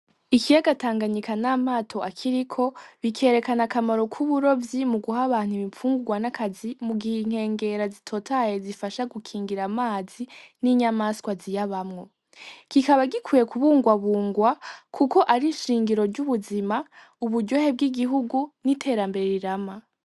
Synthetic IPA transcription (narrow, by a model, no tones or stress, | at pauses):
ikʰijaɡataːŋɡaɲikʰanaːmaːtʰo̞ʔakʰiɾikʰo̞βikʰe̞ːɾe̞kanakamaɾo̞kʰuβuɾo̞vjimuɡuhaβaːn̥huβifuːŋɡuɡwanakʰazimuɡihiŋ̥he̞ːŋɡe̞ɾazitʰo̞tʰajezifaʃaɡukʰiːŋɡiɾamaːziniɲamaskwazijaβamŋo̞ | kikaβaɡikʰuje̞kuβuːŋɡwaβuːŋɡwakʰuko̞ʔaɾiʃiːŋɡiɾo̞ɾɟuβuzima | uβudɟo̞hebɡiɡiɦuɡunitʰe̞ɾambe̞ɾe̞ɾiɾama